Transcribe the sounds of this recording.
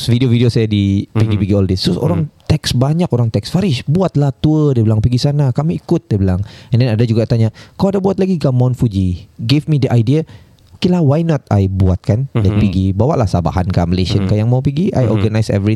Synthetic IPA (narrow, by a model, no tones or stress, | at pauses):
sfidiovidiosajadipiɡipiɡiɔldɪst̪ɾʊso̰ɾaŋt̪ɛksbaɲakoɾaŋt̪ɛksfaɾɪʃbuat̪laht̪uədəbilaŋpiɡisanakamiːkʊt̪̚dbilaŋɛ̃ndɛnadad͡ʒuɡat̪aɲakawadabuat̪̚laɡiɡamanfud͡ʒiɡefmidəʔajdia | okelahwajnɔt̪̚a̰jbuat̪̚kanlakpiɡibawaʔlahsaba̰hankaməleʃiənkajaŋmawpiɡiʔa̰jʔɔɡanajsɛ̰vɾi